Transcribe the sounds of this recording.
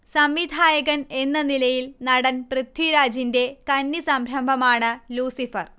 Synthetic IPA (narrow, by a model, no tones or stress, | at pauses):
sɐmʋid̪ʱaːjɐɣɐne̞nːɐnilɐjilnɐɽɐnprɨt̪ʰːwiɾaːd͡ʑinde̞kɐnːisɐmɾɐmbʱɐmaːɳɨluːsifɐr